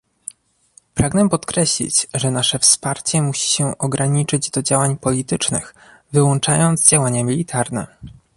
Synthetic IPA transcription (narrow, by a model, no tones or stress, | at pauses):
pɾaɡnɛpɔt̪kɾɛɕlʲḭt͡ɕʐɛnaʂɛfspaɾt͡ɕɛmuɕi̥ɕɛʔɔɡɾaɲit͡ʂɘd͡ʑd̪ɔd͡ʑawaɲpɔlʲit̪ɘt͡ʂnɘ̰xvɘwɔnt͡ʂajɔnd̪zd͡ʑawaɲamʲilʲit̪ʰaɾnɛ̰